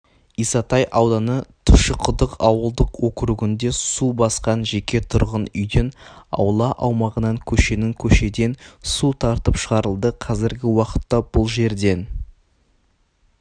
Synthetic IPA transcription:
ijsɑt̪ɑjʔɑwd̪ɑnət̪ʰʊʃəqʰʊd̪əqɑwəlˠd̪əqwɵkʲɾuɡʲɪnd̪e̞subɑsqɑnʒe̞kʲe̞t̪ʰʊɾʁənʏjd̪enɑ̰wlˠɑʔɑwmɑʁənɑŋkʲʰɵʃe̞nɪŋkʲʰɵʃe̞d̪e̞nsut̪ʰɑɾt̪əpʃəʁɑɾəlˠd̪əqʰɑzɪɾɡʲɪwɑqə̥t̪ːɑb̥ʊlˠʒe̞ɾd̪e̞n

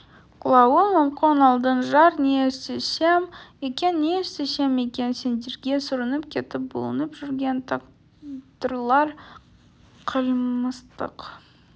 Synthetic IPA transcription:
qʰʊlˠɑwəməmqənɑlˠd̪ənʒɑɾnesesemekʲe̞nːeseseme̞kʲe̞nse̞nd̪e̞ɾɡʲe̞sʊɾənəp̚kʲʰe̞t̪ɪp̚bo̰lˠə̰nəpʒʏɾɡʲe̞nt̪ʰ | t̪əɾlˠɑɾ | qʰəlməst̪ə̰q

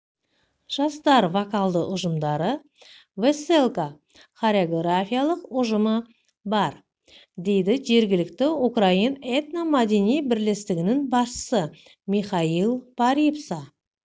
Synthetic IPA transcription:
ʒ̥ɑst̪ɑɾvakalˠd̪əʔʊʒəmd̪ɑɾə | veselˠka | χaɾʲeoɡrafʲijalˠəqʊʒəmə | bɑɾ | d̪e̞jd̪ɪʒe̞ɾɡʲɪlɪkt̪ɪukrainet̪namad̪enijbɪɾle̞st̪ɪɡʲɪnɪŋbɑsʃə̥sə | miχɑilˠpʰaɾipsɑ

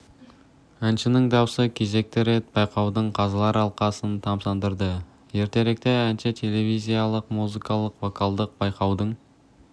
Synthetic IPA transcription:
ænʃɪnɪŋd̪ɑwsəkʲʰe̞ze̞k̚t̪ɪɾe̞t̪̚b̥ɑjqɑwd̪əɴqʰɑzɑlˠɑɾɑlˠqɑsənt̪ʰɑmsɑnd̪əɾd̪ə | je̞ɾt̪e̞ɾe̞k̚t̪eænʃɪt̪ʰe̞le̞vizʲijalˠəqmuzikɑlˠəqvo̞kʰalˠd̪əq̚bɑjqɑwd̪əɴ

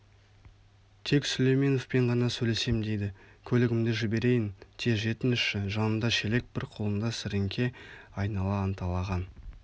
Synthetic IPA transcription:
t̪ʰe̞ksʏlejmenofpe̞ɴʁɑnɑsɵjle̞se̞md̪e̞jd̪ɪkʲʰɵlɪɡʲɪmd̪ɪʒɪbe̞ɾe̞jɪnt̪ʰeʒe̞t̪ɪnʃɪʒɑnənd̪ɑʃele̞k̚b̥ɪɾqʰo̞lˠənd̪ɑsɪɾɪŋkʲʰe̞ɑjnɑlˠɑːnt̪ɑlˠɑʁɑn

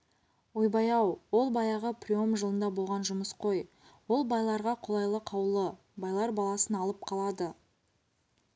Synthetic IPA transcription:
ojbɑjɑwwo̞lˠbɑjɑʁəprʲio̞mʒəlˠənd̪ɑbo̞lˠʁɑnʒʊməsqʰo̞j | wo̞lˠbɑjlˠɑɾʁɑqʰʊlˠɑjlˠəqʰɑwlˠə | bɑjlˠɑɾbɑlˠɑsənɑlˠəp̚qʰɑlˠɑd̪ə

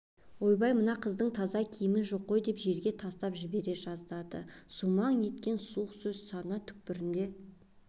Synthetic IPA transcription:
wo̞jbɑjmənɑqʰəzd̪əɴt̪ʰɑzɑkʲʰijɪmɪʒo̞qːo̞jd̪e̞pʒe̞ɾɡʲe̞t̪ʰɑst̪ɑpʒɪbe̞ɾe̞ʒɑzd̪ɑd̪ə̰sumɑɴje̞t̪kʲe̞nsuəqsɵzsɑnət̪ʰʏ̥k̚pɪɾɪnd̪e̞

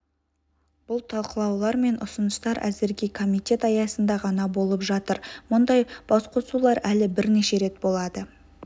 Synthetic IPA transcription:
b̥ʊlˠt̪ʰɑlˠqəlˠɑwlˠɑɾme̞nʔʊ̰sənəst̪ɑɾʔæ̰zɪɾɡʲe̞kʰo̞mijt̪ʲe̞t̪ɑjɑsənd̪ɑʁɑnɑbo̞lˠəpʒɑt̪əɾmʊnd̪ɑjb̥ɑsqosulˠɑɾælɪbɪɾne̞ʃe̞ɾe̞t̪̚bo̞lˠɑd̪ə

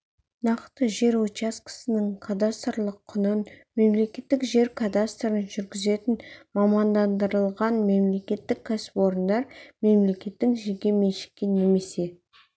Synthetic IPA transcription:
nɑqt̪əʒe̞ɾot͡ʃaskə̥sənəŋkʰad̪ast̪rlˠəqʰːʊnənme̞mle̞kʲe̞t̪ːɪkʒe̞ɾkʰad̪ast̪ɾənʒʏɾɡʲɪze̞t̪ɪnmɑmɑnd̪ɑnd̪əɾəlˠʁɑnme̞mle̞kʲe̞t̪ːɪkʲʰːæsɪ̥po̞ɾənd̪ɑɾme̞mle̞kʲe̞t̪ːɪŋʒeɾɡʲe̞me̞nʃɪ̥kʲːɪne̞me̞se̞

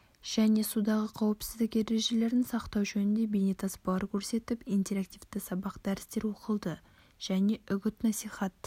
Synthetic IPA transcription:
ʒ̥æne̞sud̪ɑʁəqʰɑwəpsɪzd̪ɪke̞ɾe̞ʒe̞le̞ɾɪnsɑqt̪ɑwʒɵnɪnd̪e̞bejnet̪ʰɑspɑlˠɑɾkʲʰɵɾse̞t̪ɪpijnt̪e̞ɾak̚t̪ijvt̪ɪsɑbɑqd̪̥æɾɪst̪e̞ɾwoqəlˠd̪ə | ʒ̥æne̞ʔʏɡʲɪt̪nɑsijχɑt̪

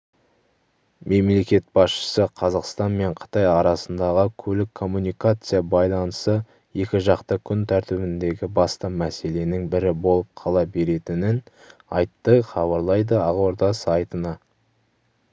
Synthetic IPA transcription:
me̞mle̞kʲe̞t̪̚bɑsʃə̥səqʰɑzɑqst̪ɑnme̞ɴqʰə̥t̪ɑjɑɾɑsənd̪ɑʁəkʲʰɵlɪkʰːo̞mːunijkat̪sɨjabɑjlˠɑnəsə | je̞kʲɪʒɑqt̪əkʲʰʏnt̪ʰæɾt̪ɪbɪnd̪e̞ɡʲɪbɑst̪ɑmæse̞le̞nɪŋbɪɾɪbo̞lˠəp̚qʰɑlˠɑbe̞ɾe̞t̪ɪnɪn | ɑjt̪ːəχɑβɑɾlˠɑjd̪əɑʁoɾd̪ɑsɑjt̪ənɑ

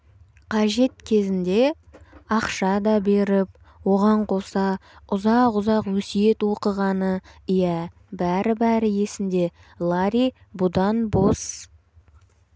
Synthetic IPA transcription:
qʰɑʒe̞t̪kʲʰe̞zɪnd̪e̞ | ɑqʃɑd̪ɑbe̞ɾɪp̚ | wo̞ʁɑɴqʰo̞sɑʊzɑqʊzɑqwɵsije̞t̪wo̞qəʁɑnəijæ | bæɾɪbæɾɪje̞sɪnd̪e̞ | lˠaɾi | bud̪ɑnbos

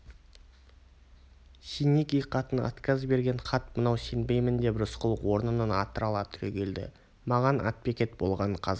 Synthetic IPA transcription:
sʲinikʲijqʰːɑt̪ənɑ̰t̪kʲɑzbe̞ɾɡʲe̞ɴqʰɑt̪mənɑwsenbe̞jmɪnd̪e̞bɾʊsqəlˠwo̞ɾnənənɑ̰t̪əɾɑlˠɑt̪ʰʏ̥ɾʲekʲʰe̞ld̪ɪ̰ | mɑʁɑnɑ̰t̪̚pekʲe̞t̪bo̞lˠʁɑnəqʰɑz

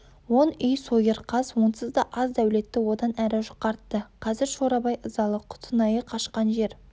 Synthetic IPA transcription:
wo̞nʏjsojɪɾqʰɑzwonsəzd̪ɑʔɑzd̪æwle̞t̪ːɪwo̞d̪ɑnæɾɪʒʊ̥qːɑɾt̪ːəqʰɑzɪɾʃoɾɑbɑjəzɑlˠəqʰʊ̥t̪ʰənɑjəqʰɑʃqɑnʒe̞ɾ

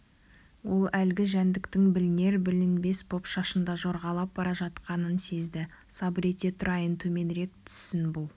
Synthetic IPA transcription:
wo̞lˠælɡʲɪʒænd̪ɪkt̪ɪŋbɪlɪne̞ɾbɪlɪnbe̞spʰo̞pʃɑʃənd̪ɑʒo̞ɾʁɑlˠɑp̚bɑɾɑʒɑt̪qɑnənse̞zd̪ɪ | sɑbɾe̞t̪e̞t̪ʰʊɾɑjənt̪ʰɵme̞nɾe̞k̚t̪ʰʏ̥sːɪnbʊlˠ

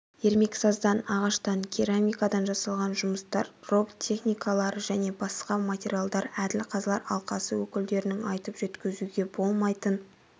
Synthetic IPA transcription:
je̞ɾme̞ksɑzd̪ɑnɑʁɑʃt̪ɑŋkʲʰiɾamʲijkad̪ɑnʒɑsɑlˠʁɑnʒʊməst̪ɑ̰ɾro̞bt̪ʲʰe̞χnʲijkʰalˠɑɾəʒæne̞bɑsqɑmatʲe̞ɾʲialˠd̪ɑɾæd̪ɪlqʰɑzlˠɑɾɑ̰lˠqɑsəwɵkʲɪld̪e̞ɾɪnɪŋɑjt̪əpʒ̥et̪kʲɪzuɡʲe̞bo̞lˠmɑjt̪ən

